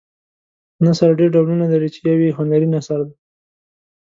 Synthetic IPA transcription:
nasaɾɖeɾɖawlunalaɾit͡ʃejawiɦʊnd̪aɾinasaɾd̪a

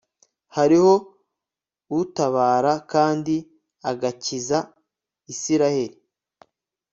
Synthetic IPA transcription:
haɾiho̞ | utaβaːɾakaːndi | aɡaciza | isiɾahe̞ɾi

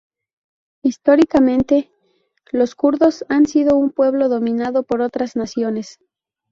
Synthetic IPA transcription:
ist̪o̞ɾikamẽ̞nt̪e̞ | lo̞skuɾðo̞sansiðo̞umpwe̞βlo̞ðo̞mĩnaðo̞po̞ɾo̞t̪ɾaznasjo̞ne̞s

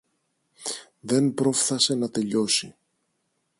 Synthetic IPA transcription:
ðe̞npɾo̞fθɐse̞nɐt̪e̞ʎo̞si

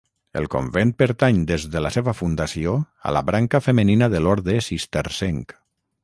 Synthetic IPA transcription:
ḛlˠko̰mbent̪̚pəɾt̪aɲd̪ezðəlaseβəfund̪asio | a̰la̰βɾaŋkəfəməninəðəlɔɾðesist̪eɾsɛŋk

